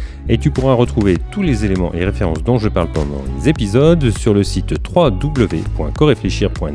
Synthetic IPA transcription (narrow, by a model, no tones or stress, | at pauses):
et̪ypuʁaʁət̪χuvet̪ulezelemɑ̰̃ʔeʁefeʁɑ̃sd̪ɔ̃ʒəpaʁlpɑ̰̃d̪ɑ̰̃lezepizɔd̪syʁləsit̪ːχwad̪ubləvepwɛ̃kɔʁefleʃiʁpwɛ̃